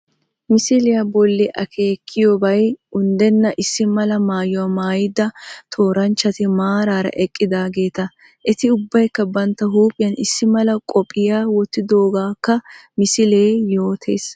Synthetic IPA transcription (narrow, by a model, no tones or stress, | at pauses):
mɪsɪlɪjɐbɔlːɪʔɐkʰeːkʰːɪjoːbɐjʊnd̪ɛnːɐʔɪsːɪmɐlɐmaːjɔwamaːjɪd̪ɐt̪ʰo̞ːɾɐnt͡ʃːɐt̪ɪmaːɾaːɾɐ̰ʔɛkʼːɪd̪aːɡe̞ːt̪ɐ | ʔɪt̪ɪʊbːɐjkːɐbɐnt̪ːɐɦuːpʼɪjɐnɪsːɪmɐlɐkʼɔpʼːɪjaːwɔt̪ːɪd̪o̞ːɡaːkːɐmɪsɪleːjo̞ːt̪ʰḛːs